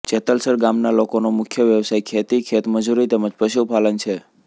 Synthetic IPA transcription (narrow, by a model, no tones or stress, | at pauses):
t͡ʃet̪əlsəɾɡamnalokonomʊkʰjəʋjəʋsajkʰet̪ikʰet̪məd͡ʒuɾit̪ɛməd͡ʒpɾəʃupalənt͡ʃʰe